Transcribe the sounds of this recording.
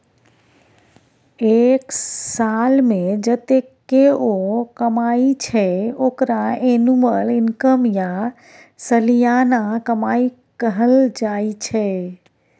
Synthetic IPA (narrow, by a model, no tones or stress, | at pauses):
eksalmẽd͡ʒət̪ekːeokəmait͡ʃʰɛokɾaenuməlinkəmja | səlijanakəmai | kəɦəld͡ʒait͡ʃʰɛ